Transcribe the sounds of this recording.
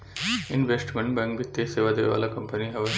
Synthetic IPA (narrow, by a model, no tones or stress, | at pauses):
inʋesʈɡɐɳbɐŋkbit̪ːeseːʋad̪ḛːʋa̰ːlɐkɐmpɐniɦɐʋɐ